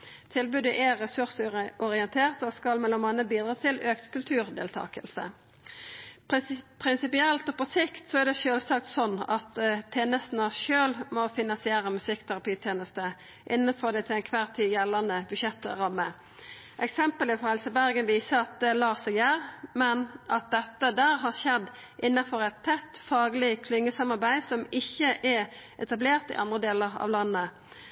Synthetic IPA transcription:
t̪ʰɪlbʉd̪əʔɛʁɛsʉʁsəʔɔʁɪənt̪ʰeːʁt̪ɔskɑlmɛlːɔmɑnəbiːd̪ʁɑːt̪ʰɪløːkt̪kʰʉlt̪ʰʉːʁd̪ḛːlt̪ʰɑ̰ːkəlsə̰ | pʰɾɪnsɪpɪɛlt̪ɔpɔsɪkt̪sɔæʁd̪ɛʃøːlsɑk̚t̪sɔnːɑt̪t̪ʰːeːnəst̪n̩ɑʃøːlmɔfɪnːɑsɪeːʁəmʉsɪkt̪ʰæʁɑpiːt̪ʰjeːnəst̪ə | ʔɪnːənfɔʁd̪ɛɪt̪ʰɪlɛnkʰʋæːʁt̪ʰiːjɛlːɑnəbʉʃjɛt̪ːʁɑmːə | ʔɛksɛmpəlɪfɔʁhɛlsəbæʁɡənʋiːsəɑt̪̚ɛlɑːsɔjæːʁmɛnʔɑt̪̚d̪ɛt̪ːəd̪æːʁɦɑʁʃɛd̪ː | ʔɪnːɑfɔɾɛɪt̪ʰːɛt̪ːfɑːɡəlɪkʰlɪŋːəsɑmɑʁbæɪsɔmɪçːəʔɛʔɛt̪ɑbleːʁt̪ɪ̰ʔɑ̰nd̪ʁəd̪eːləʁɑ̰ʋlɑnːə

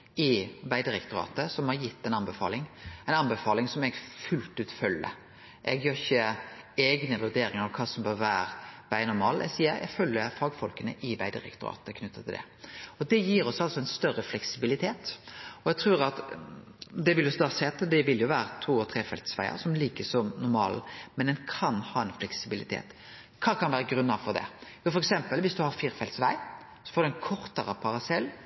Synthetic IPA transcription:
ɪʋæɪd̪əɾɛkt̪ʊɾɑ̰ːt̪əsɔmhɑɾjɪt̪ːɛɪnɑnbəfɑ̰ːlɪŋɛɪnɑnbəfɑːlɪŋsɔmɛɡfʉlt̪ʉːt̪fœlːə̰ | ʔɛ̰ɡjøːɾɪçːəɛːɡnəʋʉd̪eːɾɪŋəɾɔkʰɑːsɔmbøːʋæːɾb̥æɪnʊɾmɑ̰ːlɛ̰ɡsiːəɾʔɛ̰ɡfœlːəɾfɑːɡfɔlkənə̰ʔɪʋæɪd̪əɾɛ̰kt̪ʊɾɑ̰ːt̪əkʰnʉt̪ːət̪ʰɪld̪ɛ̰ | ɔd̪ɛjiːɾɔsɑlsɔɛɪnst̪œɾəflɛksɪbɪlɪt̪ʰeːt̪ɔjɛɡt̪ʰɾʉːɾɑt̪ | d̪ɛʋɪljɔsd̪ɑːsɛːt̪əd̪ɛʋɪljʊʋæːɾət̪ʰuːɔt̪ʰɾeːfɛ̰lt̪sʋæɪə̰ɾsɔmliːkəsɔmnʊɾmɑ̰ːlə̰mɛnd̪ɛnkʰɑnhɑːɛnflɛksɪbɪlɪt̪ʰḛːt̪ | kʰɑːkʰɑnʋæːɾəɡɾʉnːɑfɔɾd̪ɛ̰jʊfɔɾɛksɛmpəlʋɪsd̪ʉhɑɾfiːɾfɛlt̪sʋæɪ | sɔ̥foːd̪ɛnkʰɔɾt̪əɾəpʰɑɾɑsɛlː

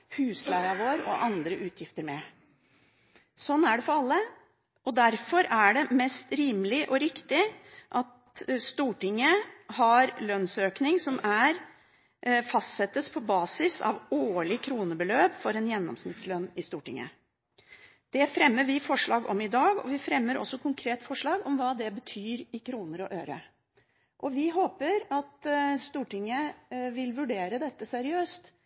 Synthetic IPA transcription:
hʉːslæɾɑʋoːɾɔ̰ʔɑnd̪ɾəʔʉːt̪ʰjɪft̪əɾmɛ | sɔnːæɖɛfɔɾɑlːə | ɔd̪æɾfɔɾæɖɛmɛst̪ɾiːmlɪʔɔɾɪkt̪ɪʔɑt̪ | st̪uːʈɪŋːəhɑɾlœnsøːknɪŋsɔmæɾ | fɑst̪sɛt̪ːəspʰɔbɑːsɪsɑ̰ʋoːɭɪkʰɾuːnəbəløːpfɔɾɛnjɛnːɔ̰msnɪt̪slœnːɪst̪uːʈɪ̰ŋːə̰ | d̪̥ɛfɾɛmːəʋɪfɔʂɭɑːɡɔ̰mɪd̪ɑːɡɔ̰ʋɪfɾɛmːəɾɔ̰sːɔkʰʊŋkʰɾeːt̪fɔʂɭɑːɡɔmʋɑːd̪ɛbət̪ʰyːɾɪkʰɾuːnəɾɔʔøːɾə̰ | ʔɔʋɪɦoːpəɾɑt̪st̪uːʈɪŋːəʋɪlʋʉɖeːɾəd̪ɛt̪ːəsæɾɪøːst̪

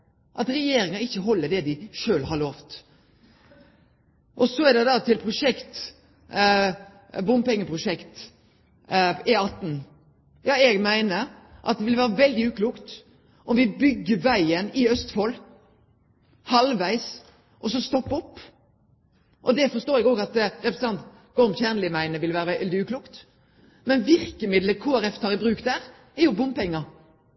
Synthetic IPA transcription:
ʔɑt̪ɾɛjeːɾɪŋɑɪçːəɦɔlːəd̪ɛd̪ɪʃøːlɦɑɭoːft̪ | ʔɔsɔɛd̪ɛd̪ɑt̪ʰɪlpʰɾʊʃɛkt̪ | bʊmpɛŋːəpʰɾʊʃɛkt̪ | ɪɑt̪ːn̩ | jɑːɛɡmæɪnəɾʔɑ̰t̪̚d̪ɛʋɪlʋæːɾəʋɛld̪ɪʉːkʰluːkt̪ | ʔɔmʋɪbʏɡːəʋæɪənɪœst̪fɔl | hɑlʋæɪs | ʔɔsɔst̪ɔpːɔpː | ʔɔd̪ɛfɔst̪oːɾɛɡoːɡɑt̪ɾɛpɾəsəɑnt̪ | ɡ̥ɔmçæːʁnlɪmæɪnəʋɪlʋæːɾəɛld̪ɪʉːkʰluːkt̪ | mɛnʋɪʁkəmɪd̪ləkʰoːæɾɛft̪ʰɑːʁæbɾʉːkd̪æʁ | ɛɾjʊbʊnpʰɛŋːə

